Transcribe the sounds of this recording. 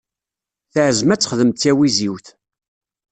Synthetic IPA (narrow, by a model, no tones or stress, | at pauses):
θəʕəzmæt͡sːəχðəmt̪ːæwiziwθ